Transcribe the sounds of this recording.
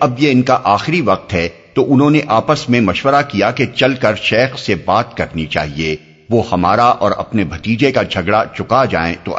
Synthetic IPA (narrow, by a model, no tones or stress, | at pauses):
ɐbjeɪnkaʔaːxɪɾiʋɐq̚t̪ɦɛt̪oʔʊnɦõːneʔaːpəsmẽmɐʃʋəɾakijaket͡ʃɐlkɐɾʃɛːxsebaːt̪̚kɐɾnit͡ʃa̰ːɦie | ʋohɐmaːɾaʔɔ̰ːɾɐ̰pnebʱɐt̪iːd͡ʒekad͡ʒʱɐɡɽat͡ʃʊkad͡ʒa̰ːḛ̃t̪o̰